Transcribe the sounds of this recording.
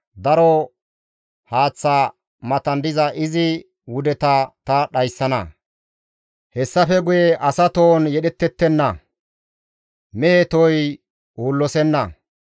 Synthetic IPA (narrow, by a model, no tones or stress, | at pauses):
d̪ɐɾɔ | haːt͡sːa | mɐt̪ɐnd̪ɪzɐʔɪzɪ | wʊd̪ɛt̪ɐt̪ɐɗɐjsːɐnɐ̰ | hɛsːɐfɛɡʊjeʔɐsɐt̪oːnjɛɗɛt̪ːɛt̪ːɛnːɐ | mɛet̪ɔj | uːlːɔsɛnːɐ̰